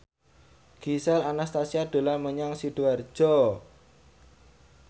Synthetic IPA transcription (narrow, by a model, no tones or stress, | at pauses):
ɡ̥isɛlanast̪asiaɖ̥o̤laməɲaŋsiɖ̥uar̥d͡ʒ̥ɔ